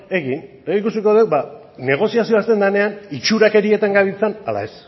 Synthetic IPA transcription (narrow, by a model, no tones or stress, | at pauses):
e̞ɣin | ikusiko̞ðe̞wba | ne̞ɣ̞o̞siasio̞ast̪e̞nd̪ane̞anit͡ʃuɾake̞ɾie̞t̪aŋɡaβit͡sanala̰e̞s